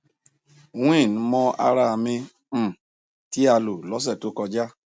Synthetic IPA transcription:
o˨ũ˦ĩ˦˨nũ˨˧˦mɔ̃˦a̰˧ɾa˧mĩ˧˦˨ | ti˨˦a˧lo˨lɔ˨˦s̬ɛ˦˨to˨˦kɔ˧d͡ʒa˦

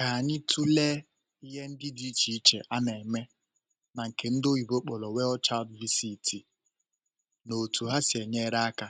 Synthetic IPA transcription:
ka˨ɲɪ˦tʰu˦le˦ | i˦ɦe˦n̩˦dɪ˦di˦t͡ʃi˨i˦t͡ʃḛ˨ʔa˦ne˨e˨me˦ | na˨ŋ̩˨ke˨n̩˦do˦i˨bo˦k͡pɔ˨lɔ˨we˦ɔ˦t͡ʃa˦ldvi˦si˦tʰi˨ | no˨tu˨ɦa˦si˨e˨ɲe˦ɾa˦a˦ka˦

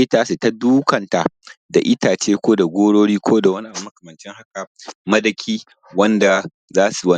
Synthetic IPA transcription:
ɪ˦taː˦se˨ta˦duː˦kɐ˨nta˨da̰˨ʔɪ˦taː˨t͡ʃeː˦kʷoː˦da˨ɡʷoː˦ɽoː˦ɽiː˦kʷʰoː˦da˨wɐ˦ni˦ʔa˨mmɐ˦kɐ˨mɐ˨nt͡ʃɛ˦ŋha˦ka˨mɐ˦dɐ˨kʲʰiː˦ | wɐ˦nda˨ | zaː˦su˨wɐ˦n˦

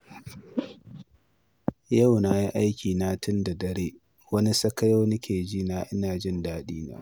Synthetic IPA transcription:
jɐ˦˨wna˦ji˦ʔa˦jkʲʰiː˨naː˦tʊ˦nda˨dɐ˦ɽeː˦ | wɐ˦ni˦sɐ˦kɐ˦joː˦nʊ˦kʲʰeː˨d͡ʒiː˦naː˦ʔɪ˦naː˨d͡ʒɪ˦ndaː˦ɗiː˦na̰ː˦

